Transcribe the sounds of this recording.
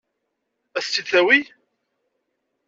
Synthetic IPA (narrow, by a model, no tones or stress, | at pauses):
æθt͡sːid̪θæwi